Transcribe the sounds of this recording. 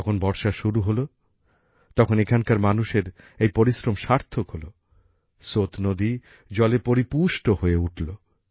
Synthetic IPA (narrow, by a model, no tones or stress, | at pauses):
ɔkʰonbɔɾʃaʃuɾuɦolo | t̪ɔkʰonekʰankaɾmanuʃeɾ | ejpoɾisɾomʃaɾt̪ʰokɦolo | sot̪nod̪i | d͡ʑɔlepoɾipuʃʈohoeuʈʰlo